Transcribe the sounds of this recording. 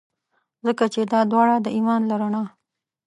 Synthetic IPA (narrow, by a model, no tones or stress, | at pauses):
zəkat͡ʃed̪ɑd̪wɑɽad̪əʔimɑnlaɾaɳɑ